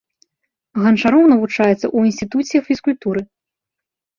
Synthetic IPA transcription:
ɣɐnt͡ʂaɾɔwnɐvut͡ʂajɛt̪sːɐ̰ʔuinʲsʲt̪ʲit̪usʲijɐffʲiskulʲt̪uɾɨ

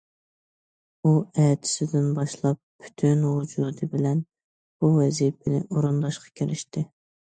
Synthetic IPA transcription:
uɛt̪ʰɪ̥sɪd̪ɪnbɑʃlˠɑpʰːy̥t̪ʰynhud͡ʒud̪ɨbɪlɛn | b̥uwɛzipʰɪnɪ̰ʔoɾund̪ɑʃqʰɑ̥kʲʰeɾɪʃt̪ɪ

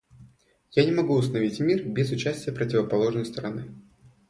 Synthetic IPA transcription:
janʲɪmɐɡuʊst̪ənɐvʲitʲmʲirbʲezʊt͡ɕæsʲtʲɪjəpɾətʲɪvəpɐlˠo̞ʐnəjst̪əɾɐnɨ

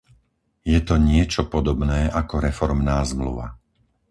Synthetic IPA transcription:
jɛt̪ɔɲɪɛt͡ʃɔpɔd̪ɔbnɛːʔakɔɾɛfɔɾmnaːzmlṵʋa̰

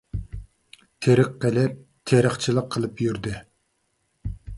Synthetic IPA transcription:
t̪ʰeɾəqːelɪp̚ | t̪ʰeɾəχt͡ʃʰilˠəqʰːəlˠɨpjyɾd̪ɪ

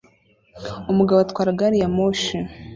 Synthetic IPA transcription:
umuɡaβoatkwaːɾaɡaɾijamoʃi

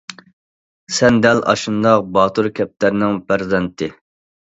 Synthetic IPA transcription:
sɛnd̪ɛlɑ̰ʃund̪ɑqbɑːt̪ʰuɾkʲʰɛp̚t̪æɾnɪŋpʰæɾzɛnt̪ʰɪ

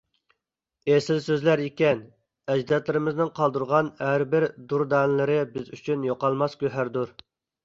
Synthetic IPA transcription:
esɪlsøzlæɾikʲɛn | ɛd͡ʒd̪ɛt̪lɪɾɪmɪznɪŋqʰɑlˠd̪uɾʁɑnhæɾbɪɾd̪uɾd̪ɑnlɪɾɪbɪzyt͡ʃʰynjoqɑlˠmɑskʲøɦæɾd̪uɾ

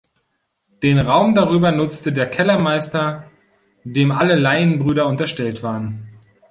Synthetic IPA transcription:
d̥eːnʁaʊmdaʁyːbɐnʊt͡stədeːɐkʰɛlɐmaɪstɐ | deːmʔaləlaɪənbʁyːɾɐʊntɐʃtɛltv̥aːʁən

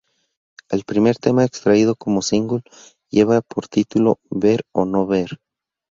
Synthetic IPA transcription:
elpɾime̞ɾt̪e̞maekst̪ɾaiðo̞ko̞mosiŋɡul | jeβapʰo̞ɾt̪it̪ulo̞̰βe̞ɾono̞βe̞ɾ

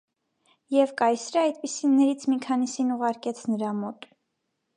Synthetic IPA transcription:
jɛvkɑjsɾəɑjd̪̚pisinːɛɾit͡sʰmikʰɑnisinuʁɑɾkɛt͡sʰnəɾɑmɔt̪

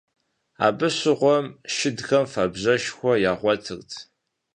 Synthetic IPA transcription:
a̰ːbɨɕɨʁʷɔmʃɪdxɐmfabʑɐʃxʷɔjaːʁʷɔtʰɨrtʰ

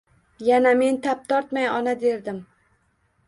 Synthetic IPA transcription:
janame̞nt̪ʰap̚t̪ʰɒɾt̪majɒnad̪e̞ɾd̪ɪm

